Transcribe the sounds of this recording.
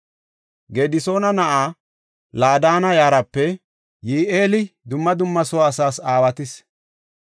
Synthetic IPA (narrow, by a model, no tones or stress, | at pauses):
ɡeːd̪ɪso̞ːnɐnɐʔaː | laːd̪aːnɐjaːɾɐpːɛ | jiːʔeːlɪd̪ʊmːɐd̪ʊmːɐsɔwaːsaːsaːwɐt̪ɪs